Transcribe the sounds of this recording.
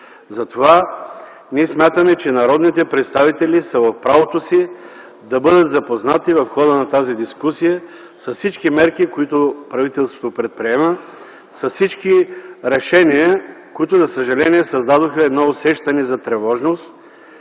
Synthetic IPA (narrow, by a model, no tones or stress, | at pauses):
zɐt̪ova | nʲiɛsmʲjat̪əmɛt͡ʃɛnɐɾɔd̪nit̪ɛpɾɛt̪st̪avit̪ɛlisɐvɐfpɾavot̪osi | d̪ɐbɤd̪ət̪zɐpoznat̪ivɐfxɔd̪ənɐt̪azid̪iskusijə | sɐssit͡ʃkimɛɾkikoit̪ʊpɾɐvit̪ɛlˠst̪vŏ̥t̪opɾɛt̪̚pɾiɛmə | sɐssit͡ʃkiɾɛʃɛniəkoit̪ʊzɐsəʒɐlɛniɛsɐzd̪ad̪oxəɛd̪nɔosɛʃt̪ɐnɛzɐt̪ɾɛvɔʒnost̪